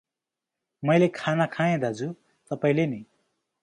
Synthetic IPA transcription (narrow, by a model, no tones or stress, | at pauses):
mʌjlekʰanakʰãjẽd̪ad͡zu | t̪ʌpaĩlenʌj